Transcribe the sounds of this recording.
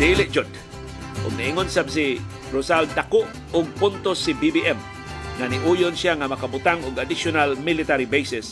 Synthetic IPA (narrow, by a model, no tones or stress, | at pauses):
d̪ilɪʔd͡ʒʊd̪̚ | ʔʊ̰ɡ̚naʔiŋʊnsabs̬i | ɾʊsald̪akʊʔ | ʊɡ̚pʊnt̪osibibiʔɛm | ŋanɪʔujʊnsjaŋamakabʊt̪aŋʊɡad̪ɪʃʊnalmɪlɪt̪aɾibejsɛs